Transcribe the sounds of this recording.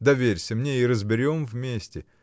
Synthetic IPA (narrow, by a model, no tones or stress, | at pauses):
d̪ɐvʲeɾʲsʲəmnʲeiɾəzbʲɪɾʲo̞mvmʲesʲtʲɪ